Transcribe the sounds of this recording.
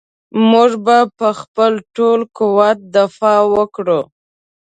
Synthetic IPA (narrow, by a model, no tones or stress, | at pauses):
muʐbapəxpəlʈolkuwat̪̚d̪afɑwəkɽu